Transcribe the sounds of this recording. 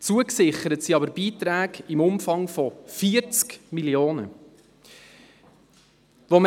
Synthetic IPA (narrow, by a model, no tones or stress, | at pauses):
t͡suəksɪχəɾətsiɑbəɾbiːt̪ɾæːɡimʊmfɑŋfɔfiəɾt͡skmiljoːnə | ʋom